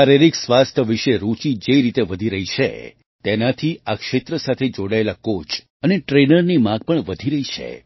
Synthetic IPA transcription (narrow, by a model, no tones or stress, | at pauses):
aɾeɾiksʋast̪ʰəʋiʃeɾut͡ʃid͡ʒeɾit̪eʋəd̪ʱiɾəɦit͡ʃʰḛ | t̪enat̪ʰiakʃet̪ɾəsat̪ʰed͡ʒoɽaelakot͡ʃ | əneʈɾenəɾnimãɡ̚pəɳʋəd̪ʱiɾəɦit͡ʃʰḛ